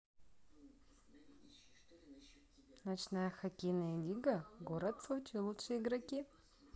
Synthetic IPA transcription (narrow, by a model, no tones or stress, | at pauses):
nɐt͡ɕnajɐxɐkʲejnɐjəlʲiɡɐɡoɾɐt̪sot͡ʃilˠutʂɨjiɡɾɐkʲi